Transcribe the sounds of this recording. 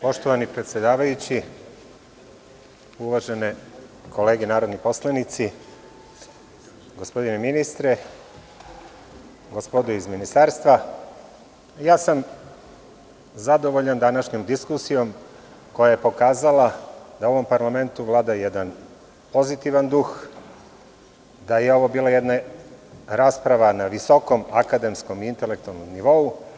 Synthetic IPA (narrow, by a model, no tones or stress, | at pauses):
po̞ʃt̪o̞ʋanipɾe̞t̪sʲje̞d̪aːʋajut͡ɕi | uʋaʒenekʰo̞le̞ːɡenaːɾo̞d̪nipo̞slˠanit̪si | ɡospo̞d̪ineminist̪ɾe | ɡospod̪oizminist̪aːɾst̪ʋa | jaːsam | zad̪o̞ʋo̞ʎand̪anaʃɲo̞md̪iskusijo̞m | ko̞jaje̞po̞kaːzalˠad̪aoʋo̞mpaɾlame̞nt̪uʋlˠaːd̪ajed̪an | po̞zit̪iʋand̪ux | d̪aje̞o̞ʋo̞biːlˠajed̪na | ɾaːspɾaʋanaʋiso̞ko̞makad̪e̞msko̞miint̪e̞lek̚t̪ualnomniʋo̞u